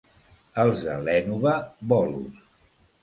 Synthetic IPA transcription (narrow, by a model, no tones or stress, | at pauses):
əlˠzðə̰lɛnuβəbɔlṵ